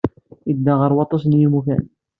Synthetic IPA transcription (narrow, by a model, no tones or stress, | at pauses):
id̪ːaʁəɾˤwɑt̪ˤːɑs̬njimukæ̰n